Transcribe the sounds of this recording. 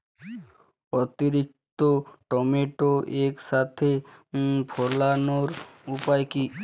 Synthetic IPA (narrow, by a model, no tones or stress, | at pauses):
ot̪iɾik̚t̪oʈɔmeʈoʔekʃat̪ʰe | pʰolanoɾupajki